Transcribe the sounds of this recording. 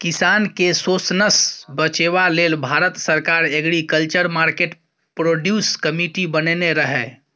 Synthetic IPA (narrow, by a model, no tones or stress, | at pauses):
kɪsaːnkesoːsnəsbət͡ʃeːʋaleːlbʱaːɾət̪səɾkaːɾeɡɽikəlt͡ʃəɾmaːɾkeːʈ | pɾoːɖjuːskəmiʈibənneɾəɦɛ